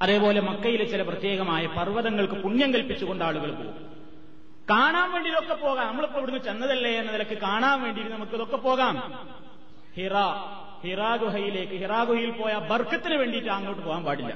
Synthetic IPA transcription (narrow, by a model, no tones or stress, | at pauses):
ɐðe̞ːpo̞ːlemɐkːɐjilet͡ɕːilɐprɐt̪je̞ːɣɐmaːjɐpɐrʋɐðɐŋːɐɭkɨpuɲjɐŋkɐlpːit͡ɕːuɣo̞ɳɖaːɭuɣɐɭpo̰ːɣṵ | kaːɳaːmʋe̞ːɳɖiðo̞kːepo̞ːɣaːnɐmːɐɭpːoʋiɽunːut͡ɕe̞nːɐðɐlːeenːɐnilɐkːɨkaːɳaːnʋe̞ːɳɖiɾunːnɐmukːɨiðo̞kːe̞po̞ːɣaːm | hiraː | hiraːɡɾuɦɐjile̞ːkːɨhiraːɡuɦijilpo̞ːjaːbɐrkːɐt̪ːinɨʋe̞ːɳɖijːʈːɨaːŋɡɐjʈːɨpoːɣaːmpaːɽilːɐ̰